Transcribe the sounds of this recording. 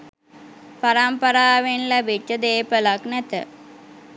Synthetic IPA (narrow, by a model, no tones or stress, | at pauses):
paɾampəɾaːʋenlæbit͡ʃːəd̪eːpəlaknɛt̪ə̰